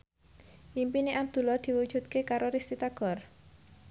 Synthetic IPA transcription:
ʔimpineʔab̚d̪̥ṳlɔd̪̥i̤wud̥ʒ̥ṳt̪̚kekaɾoɾist̪it̪aɡ̥ɔ̤r

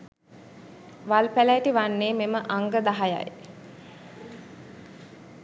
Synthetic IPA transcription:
ʋalpælæjʈiʋanːeːmeməʔaŋɡəd̪aɦaja̰j

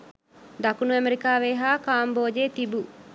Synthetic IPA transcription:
d̪ɐkunuɐmeɾikaːʋeːɦaːkaːmboːd͡ʒeːt̪ibu

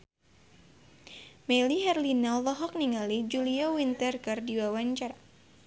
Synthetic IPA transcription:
mɛliɦɛrlinalɔɦɔk̚niŋalid͡ʒuliawint̪ɛrkardiwawaɲt͡ʃar

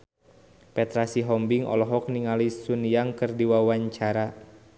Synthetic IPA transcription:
pɛt̪ɾasiɦɔmbiŋɔ̰lɔɦɔk̚niŋalisuniaŋkɨrdiwawaɲt͡ʃaɾa

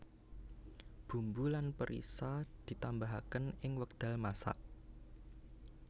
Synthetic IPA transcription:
b̥ṳmbulanpəɾʔḭsad̪̥i̤t̪ambaɦakənɪŋwək̚d̪̥a̤lmasa̰ʔ

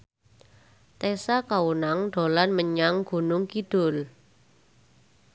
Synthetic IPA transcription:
t̪esakawunaŋɖ̥o̤lanməɲaŋɡ̥ṳnʊŋkiɖ̥ʊ̤l

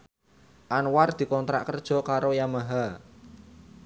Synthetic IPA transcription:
ʔanward̪̥i̤kɔnt̪ɾa̰ʔkərd̥ʒ̥ɔ̤kaɾojamaɦa

